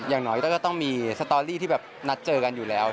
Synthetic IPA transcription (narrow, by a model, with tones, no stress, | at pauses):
jaː˨˩ŋnɔː˦˥jkɔː˥˩kɔː˥˩t̪ɔ˥˩ŋmiː˧sa˧t̪ɔː˧liː˥˩t̪ʰiː˥˩bɛː˨˩p̚na˦˥t̪̚t͡ɕɤː˧ka˧njuː˨˩lɛː˦˥w